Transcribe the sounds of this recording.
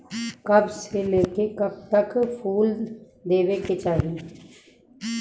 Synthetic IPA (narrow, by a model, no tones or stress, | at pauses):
kəbseleːkekəb̚t̪əkpʰuːl | d̪eːʋeːket͡ʃaːɦiː